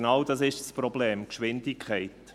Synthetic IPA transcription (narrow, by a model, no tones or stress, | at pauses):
nɑwdɑsɪʃsprɔbleːmkʃʋɪndɪkʰχɛɪt̪